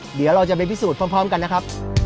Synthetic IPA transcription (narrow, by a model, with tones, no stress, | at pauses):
di˨˦wɾa˧wt͡ɕa˨˩p̬a˧pʰi˦˥suː˨˩t̪̚ʰɔː˧˥˩pʰɾɔː˦˥mka˧nːa˦˥kʰa˦˥p̚